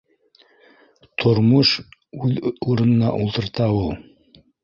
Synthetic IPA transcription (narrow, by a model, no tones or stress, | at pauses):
t̪ʰŏɾmoʃʉðuɾɤ̆nɤ̆nɑʔulˠt̪ɤ̆ɾt̪ɑulˠ